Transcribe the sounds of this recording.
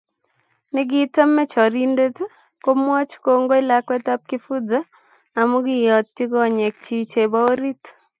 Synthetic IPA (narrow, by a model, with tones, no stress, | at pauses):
nɪ˦ɡɪ˦ta˦mːɛ˦t͡ʃɔ˨ɾi˦nde˦t | ko˦mwɔ˦t͡ʃko˦ŋɡo˦ɪ˦la˦kwɛ˦t̪a˦p̚kɪ˦fu˦d͡zaː˦˨ | mu˦ɡi˦˨jɔ˨tːi˦ɡɔ˦˨ɲɛ˨k̚t͡ʃi˦t͡ʃe˨ba˦o˦ɾi˦t̪